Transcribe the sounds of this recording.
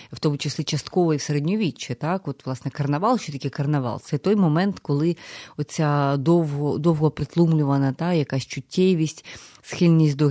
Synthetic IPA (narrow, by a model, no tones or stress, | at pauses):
wt̪ɔmʊt͡ʃeslʲit͡ʃɐst̪kɔʋɔiwseɾedʲnʲɔʋʲit͡ʃːɪt̪ɑkɔt̪ʋlˠɑsnɛkɐrnɐʋɑlˠʃt͡ʃɔt̪ɐkʲɪkɐrnɐʋɑ̰lˠt̪sɛt̪ɔjmɔmɛnt̪kɔlˠɪɔt̪t͡sʲad̪ɔwɦɔd̪ɔwɦɔpɾɪt̪lˠumlʲʊʋɐnɐt̪ɑjɐkasʲt͡ʃʊtʲːɛʋʲisʲtʲsxɪlʲnʲisʲtʲd̪ɔ